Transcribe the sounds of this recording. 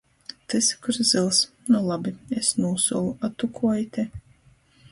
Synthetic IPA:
t̪ɨskuɾzɨlˠs | nɔlˠabiesnuːsuɔlˠuat̪ukʰuɔjt̪ʲɛ

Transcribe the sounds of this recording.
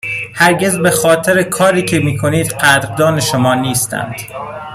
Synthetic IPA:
hæɾɟe̞zbe̞xɒːt̪ʰeɾekʰɒːɾiːcʰe̞miːkʰo̞niːd̪̥ɢæt̪ɾd̪ɒːne̞ʃomɒːniːst̪æ̰nd̪̥

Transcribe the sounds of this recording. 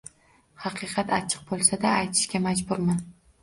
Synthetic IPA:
hɑqʰɨqʰɑt̪ʰat͡ʃʰɨ̥q̚bolˠsad̪aːjt̪ʰɪ̥ʃkʲamad͡ʒbʊɾman

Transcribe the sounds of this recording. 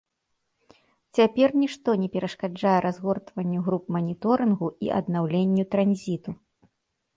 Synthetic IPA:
t͡sʲapʲɛrnʲiʂt̪ɔnʲɛpʲɛɾɐʂkad͡ʐajɛɾazɣɔrt̪vɐnʲːuɣɾupmɐnʲit̪ɔɾɨnɣuḭʔɐ̰d̪nawlʲenʲːut̪ɾanʲzʲit̪u

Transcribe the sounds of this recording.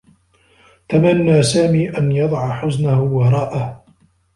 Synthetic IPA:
t̪amanːaːsaːmiːʔanjɑd̪ˤɑʕħʊznahʊwɑɾˤɑːʔah

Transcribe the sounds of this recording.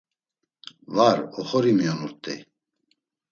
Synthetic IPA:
vaɾɔχɔɾimjɔnuɾt̪ʼɛ̰

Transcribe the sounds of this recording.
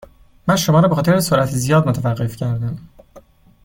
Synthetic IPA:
mænʃo̞mɒːɾɒːbexɒːt̪ʰeɾesoɾʔæt̪ʰzijɒːd̪mot̪ʰævæɢːe̞fcʰæɾd̪æm

